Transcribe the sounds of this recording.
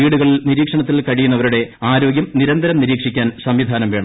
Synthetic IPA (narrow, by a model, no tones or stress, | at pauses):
iːɽuɣɐɭilniɾiːkʂɐɳɐt̪ːilkɐɻijunːɐʋɐɾuɽe̞aːɾo̞ːɡjɐmniɾɐnd̪ɐɾɐmniɾiːkʂikʲːaːnsɐmʋid̪ʱaːnɐmʋe̞ːɳɐ